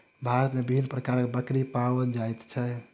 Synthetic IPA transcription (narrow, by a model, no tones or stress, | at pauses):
bʱaɾət̪mebibʱinːpɾəkaɾkebəkɾipawəd͡ʒajt̪t͡ʃʰɛ